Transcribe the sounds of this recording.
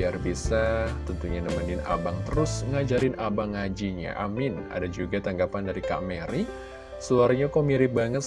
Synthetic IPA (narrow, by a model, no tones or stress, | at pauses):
iarbisat̪ənt̪uɲanəmanɪna̰baŋt̪əɾʊsŋad͡ʒaɾɪnʔabaŋad͡ʒiɲa̰ʔa̰mɪna̰dad͡ʒuɡat̪aŋɡapandaɾika̰ʔmeɾi | səuaɾɲakomiɾibaŋət̪̚